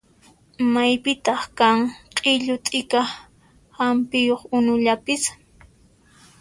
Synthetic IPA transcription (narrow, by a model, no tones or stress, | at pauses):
majpɪt̪ɑχkaŋqʼɪʎʊt̪ʼɪka | hampɪjoχʊnʊʎapɪs